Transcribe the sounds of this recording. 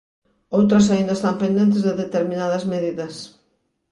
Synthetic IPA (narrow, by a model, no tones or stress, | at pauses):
owt̪̬ɾɐs̬aind̪ɐest̪ampẽnd̪ent̪̬ɪzðeðet̪eɾmĩnaðɐzmeðiðɐs